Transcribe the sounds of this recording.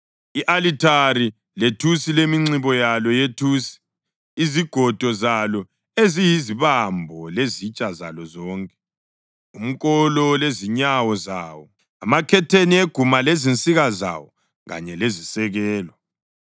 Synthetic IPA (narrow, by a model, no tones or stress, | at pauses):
iʔalitʰaɾi | letʰusilemiŋ͡ǀiβɔjalɔjetʰuːsi̥ | iziɡ̥ʱɔd̥ʱɔzalɔ | ezijiziβambʱɔlezit͡ʃʼaza̰lɔzɔːŋkʼɛ̥ | um̩kʼɔlɔleziɲawɔzaːwɔ | amakʰɛtʰenieɡ̥ʱumalezint͡sʼiɣaza̰wɔ | ɣa̰ɲɛlezisɛɣɛːlɔ